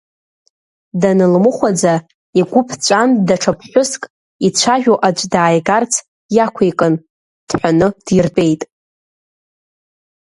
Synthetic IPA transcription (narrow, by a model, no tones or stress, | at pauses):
danɨlmɨχʷad͡za | iɡʷʊpʰt͡ɕʷʼandaʈ͡ʂʰapʰħʷᶣʊskʼ | it͡ɕʷʰaʒᶣoʔad͡ʒʷʼdaːjɡart͡sʰ | jakʷʰejkʼɨn | d̥ħʷᶣanɨd̥jɪrpʼe̞jtʼ